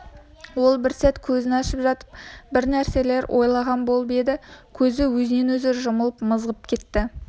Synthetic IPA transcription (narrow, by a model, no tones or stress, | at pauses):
wo̞lˠbɪɾsæt̪kʲʰɵzɪnɑʃɪpʒɑt̪ə̥p̚bɪɾnæɾse̞le̞ɾwʔo̞̰jlˠɑʁɑnbo̞lˠbe̞d̪ɪkʲʰɵzɪwɵzɪne̞nwɵzeɾʒʊməlˠəpməzʁəp̚kʲʰe̞t̪ːɪ